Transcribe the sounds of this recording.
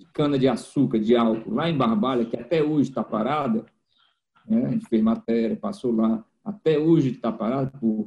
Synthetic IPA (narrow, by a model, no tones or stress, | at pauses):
ɪkɐ̃nɐd͡ʒɪasukɐd͡ʒɪawkʊlaẽj̃bahbaʎɐkɪat̪ɛoʒɪt̪apaɾad̪ɐ | nɛʒẽt͡ʃɪ̥fezmat̪ɛɾjɐpasola | at̪ɛoʒɪt̪apaɾad̪pʊ